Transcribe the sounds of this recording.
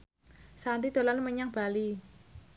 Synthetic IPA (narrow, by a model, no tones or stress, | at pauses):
sant̪id̪̥o̤lanməɲaŋb̥a̤li